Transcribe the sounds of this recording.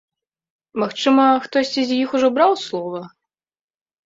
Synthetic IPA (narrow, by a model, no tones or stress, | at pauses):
maxt͡ʂɨmɐxt̪ɔsʲt͡sʲizʲjixuʐɔbɾawslˠɔvɐ